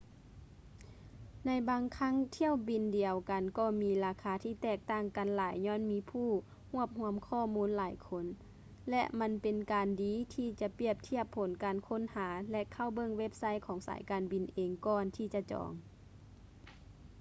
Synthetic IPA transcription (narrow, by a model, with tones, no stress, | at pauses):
na˧jbaː˧ŋkʰa˧˥˨ŋt̪ʰi˧˥˨əwbi˨ndi˨˩əwka˨˩nkɔː˧˩miː˧laː˧kʰaː˧˦t̪ʰiː˧˩t̪ɛː˧˩k̚t̪a˧˥˩ŋka˨nlaː˨˩˦jɲɔː˧˥˨nmiː˧˥pʰuː˧˥˩ | hu˧˥˩əp̚hu˧˥əmkʰɔː˧˩˨muː˧˥˨nlaː˨˩˦jkʰo˧˥n | lɛ̰˧ʔma˧˥npe˨nkaː˨ndiː˨˦t̪ʰiː˧˩t͡ɕa˧˦pi˧˩əp̚t̪ʰi˧˩əpʰːo˨˦nkaː˨nkʰo˧˥˨nhaː˩˦lɛ˧ʔkʰa˧˩wbɤ˧˨ŋwe˦˧˥p̚sa˧˥jkʰɔː˨˦ŋsa̰ː˨˦jkaː˨nbi˨nʔeː˨˩ŋkɔː˧nt̪ʰiː˧˩t͡ɕa˧t͡ɕɔ̰ː˨˩˦ŋ